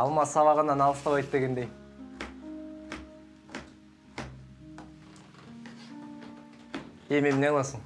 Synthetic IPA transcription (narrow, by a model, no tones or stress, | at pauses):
ɑlˠmɑt̪sɑβɑʁənɑnɑlˠəst̪ɑwɑjt̪peɡʲend̪ej | ememɪnelˠɑsəɴ